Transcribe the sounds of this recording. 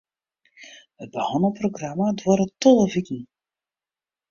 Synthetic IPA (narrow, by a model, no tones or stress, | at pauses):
ɦəd̚bəhɔnəproɡramadʋɔɾətɔlˠəvitn̩